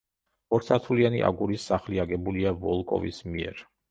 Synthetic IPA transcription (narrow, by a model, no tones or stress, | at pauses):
ɔɾsʰat̪ʰulianḭʔa̰ɡuɾisːaχliaɡɛbuliavɔlˠkʼɔ̰vḭsmiɛ̰ɾ